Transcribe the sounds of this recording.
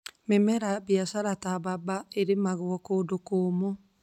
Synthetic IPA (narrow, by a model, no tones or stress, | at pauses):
memɛɾabjasaɾatababaeɾemaɣwɔkodokoːmo